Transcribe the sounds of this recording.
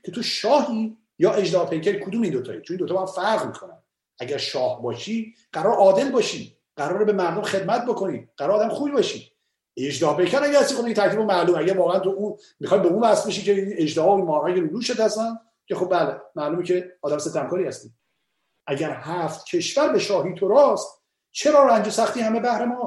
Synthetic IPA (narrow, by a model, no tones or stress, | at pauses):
cʰe̞t̪ʰoʃɒːɦi | jɒːʔe̞d͡ʒd̪ɒpʰejcʰæɾikʰod̪uːmiːnd̪ot̪ʰɒ̰ːjit͡ʃonind̪oːbhæmfæɾɣmiːkʰonæ̰m | ʔæɟæɾʃɒːhbɒːʃiː | ɢ̥æɾɒːɾʔɒːd̪e̞lbɒːʃi | ɢ̥æɾɒːɾebemæɾd̪omχe̞d̪mæt̪̚ʰbokʰo̞niɢ̥æɾɔɾɒːd̪æmxubibɒːʃi | ed͡ʒd̪ɒːhpʰejcʰæɾæɟæɾhæst̪ixod̪cet̪ʰæɾkʰiːbomæluːmæɟæɾvɒːɣeænt̪ʰoʔun | mixɒjbeunbæsbeʃiːkeined͡ʒd̪ehɒːinmɒːhæɡeɾud̪uːʃet̪hæsænd̪ | cʰexob̚bæːlemæluːmicʰeɒːd̪æmset̪ʰːæmkʰɒːɾiːhæst̪iː | ʔæɟæɾhæft̪cʰe̞ʃvæɾbeʃɒːhiːt̪ʰoɾɒːst̪ | t͡ʃʰeɾɒːɾænd͡ʒosæχt̪iːhæmebæhɾemɒː